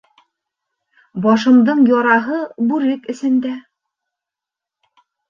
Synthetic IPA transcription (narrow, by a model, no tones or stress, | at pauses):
bɒʃɤ̆md̪ɤɴjɒɾɑɦɤbʉɾɘkɘ̆sɘ̆nd̪æ